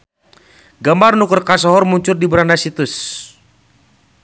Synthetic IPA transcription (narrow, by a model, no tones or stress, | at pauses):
ɡambarnukʊrkasɔɦɔrmuɲt͡ʃʊrdibəɾanasit̪ʊs